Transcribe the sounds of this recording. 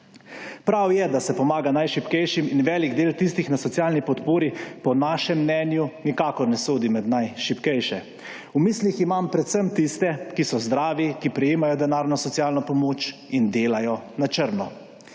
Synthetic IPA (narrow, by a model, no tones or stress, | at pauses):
pɾawjɛd̪asɛpɔmaːɡanajʃipkɛjʃiminʋɛːliɡd̪eːlt̪ist̪ixnasɔt̪sijaːlnipɔt̪poːɾipɔnaːʃɛmːnɛːnjunikaːkɔɾnɛsoːd̪imɛd̪najʃipkɛjʃɛ | umisliximampɾɛt̪səmt̪ist̪ɛkisɔzd̪ɾaːʋikipɾɛjeːmajɔd̪ɛnaːɾnɔsɔt̪siaːlnɔpɔmoːt͡ʃ | ind̪eːlajɔnat͡ʃəɾnɔ